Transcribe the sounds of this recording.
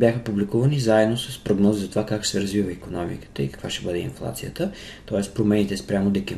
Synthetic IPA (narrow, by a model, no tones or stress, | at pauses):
bʲjaxəpublikuvɐnizaɛd̪nosəspɾoɡnɔzzɐt̪ovakaksɛɾɐzvivəikonɔmḭkə̥t̪əikɐ̥kvaʃɛbəd̪ɛḭnflˠa̰t̪sijət̪ə | t̪ɔɛst̪pɾomɛnit̪ɛspɾʲamʊd̪ɛki